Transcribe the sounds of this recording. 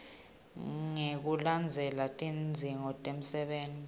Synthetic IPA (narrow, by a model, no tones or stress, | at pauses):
ŋek̬uland͡zʱɛlatʼind͡zʱiŋɔtʼem̩sɛɓeːnʱi